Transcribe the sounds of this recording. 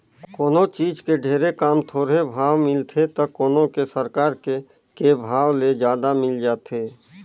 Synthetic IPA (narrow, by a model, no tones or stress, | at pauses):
kkoːnot͡ʃiːd͡ʒkeɖʱeːɾekaːmt̪ʰoːɾebʱaːwmɪlt̪ʰet̪əkoːnokesəɾkaːɾke | kebʱaːwled͡ʒjaːd̪amɪld͡ʒaːt̪eː